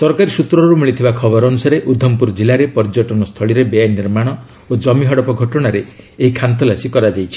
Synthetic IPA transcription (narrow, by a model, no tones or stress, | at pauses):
sɔɾkaɾisut̪ɾɔɾumiɭit̪ʰibakʰɔbɔɾɔnusaɾeʔud̪ʱːɔmpuɾd͡ʒilaɾepɔɾd͡ʒɔʈɔnɔst̪ʰɔɭiɾebeaniɾmaɽ̃ɔ | od͡ʒɔmiɦɔɽɔpɔɡʱɔʈɔɽ̃aɾeːɦikʰant̪ɔlasikɔɾad͡ʒajt͡ʃʰi̥